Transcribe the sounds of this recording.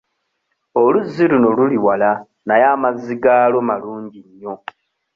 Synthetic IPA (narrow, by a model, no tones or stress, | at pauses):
oluzːiluno̞luliwala | najaːmaziɡaːlo̞maluːɲɟiɲːo̞